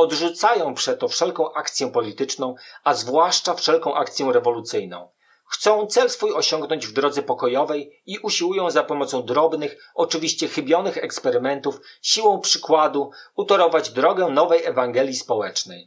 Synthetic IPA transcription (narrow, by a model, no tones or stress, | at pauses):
ɔd̪ʐut̪sajɔ̃w̃pʂɛt̪ːɔfʂɛlkɔ̃w̃ʔak̚t̪sʲjɛpɔlʲit̪ɘt͡ʂnɔ̃w̃azvwaʂt͡ʂafʂɛlkɔ̃w̃ʔak̚t̪sʲjɔ̃w̃ɾɛvɔlut̪sɘjnɔ̰̃w̃ | xt̪sɔ̃w̃t̪sɛlsfujɔɕɔŋɡnɔɲd͡ʑvd̪ɾɔd̪zɛpɔkɔjɔvɛjiʔuɕiwujɔ̃w̃zapɔmɔt̪sɔ̃w̃d̪ɾɔbnɘx | ɔt͡ʂɘvʲiɕt͡ɕɛxɘbʲjɔnɘxɛkspɛɾɘmɛnt̪ufɕiwɔ̃w̃pʂɘkwad̪uut̪ɔɾɔvad͡ʑd̪ɾɔɡɛnɔvɛjɛvaŋɡɛlʲjispɔwɛt͡ʂnɛj